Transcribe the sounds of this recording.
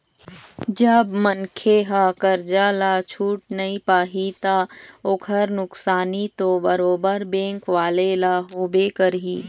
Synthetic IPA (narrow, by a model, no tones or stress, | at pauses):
d͡ʒəbmənkʰeɦaːkəɾd͡ʒaːlaːt͡ʃʰuːʈ̚nɐĩpaːɦit̪aːokʰəɾnʊksaːnit̪obəɾoːbəɾbẽːŋkʋaːlelaːɦoːbeːkəɾɦiː